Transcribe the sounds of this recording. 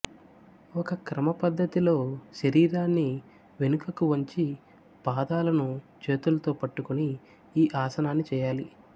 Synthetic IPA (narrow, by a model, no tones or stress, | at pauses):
ɔkɐkɾɐmɐpɐd̪ʱːɐt̪ilo̞ːʃɐɾiːɾaːnːi | ʋe̞nukɐkuʋɐɲt͡ʃi | paːd̪aːlɐnu | t͡ʃe̞ːt̪ulɐt̪o̞ːpɐʈːukuniː | ʔaːsɐnaːnːit͡ʃɛːjaːli